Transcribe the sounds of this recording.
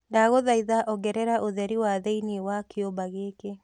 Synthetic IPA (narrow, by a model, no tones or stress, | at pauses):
daɣoðaiðaʔɔɡɛɾɛɾaʔoðɛɾiwaðeiniwakeobaɣeːke